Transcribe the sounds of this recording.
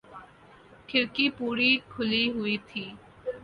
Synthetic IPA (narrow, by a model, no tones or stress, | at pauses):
kʰɪɾkipuːɾikʰʊliɦʊiːt̪ʰiː